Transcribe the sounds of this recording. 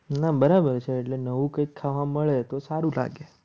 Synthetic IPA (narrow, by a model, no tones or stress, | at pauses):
nabəɾabəɾt͡ʃʰeːʈlenəʋũkə̃ikʰːaʋaməɭet̪osaɾũla̰ɡe